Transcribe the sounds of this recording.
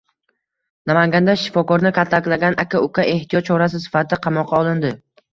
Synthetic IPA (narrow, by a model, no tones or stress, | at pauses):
namaŋɡʲand̪aʃɪ̥fɒkɒɾnɪkʲʰat̪ʰlakʲlaɡʲanʔakʲʰaʊkʰʲaʔe̞ht̪ʰɪjɒt̪̚t͡ʃʰɒɾas̬ɪsɪ̥fat̪ʰɪqʰɑmɒqʰːɑɒlˠɪnd̪ɪ